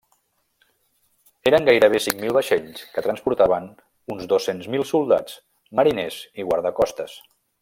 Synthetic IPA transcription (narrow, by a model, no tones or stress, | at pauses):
eɾəŋɡajɾəβ̞esiŋmilˠβəʃeʎskət̪ɾənspuɾt̪aβən | unzðosenzmilˠsulˠd̪a̰t͡s | məɾineziɣwaɾðəkɔst̪əs